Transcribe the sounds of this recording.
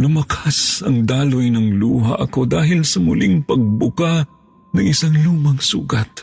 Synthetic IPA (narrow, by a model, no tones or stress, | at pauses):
lʊmɐkʰasɐŋd̪aːlʊjnɐŋluːɦa̰ʔɐko̞d̪aːɦɪlsɐmʊlɪŋpɐɡ̚bʊka | nɐŋʔɪsaŋluːmɐŋsṵːɡat̪̚